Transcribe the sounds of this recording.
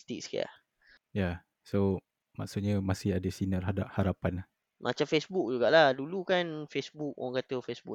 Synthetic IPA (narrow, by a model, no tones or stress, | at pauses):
t̪ḭk̚ska̰a̰ | ja | so | ma̰ʔsut̪̚ɲamasɪhadəsinərɦadap̚haɾapanah | mʔa̰t͡ʃamfesbuk̚d͡ʒuɡaʔlahdulukanfesbuk̚w̰ŋkat̪əfesbṵk